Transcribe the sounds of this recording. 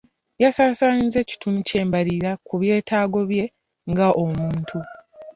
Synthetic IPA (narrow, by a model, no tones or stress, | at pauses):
jasaːsaːɲize̞ci̥tunice̞ːmbaɾiɾakuβje̞ːtʰaːɡo̞βje̞ | ŋɡaʔomuːntʰu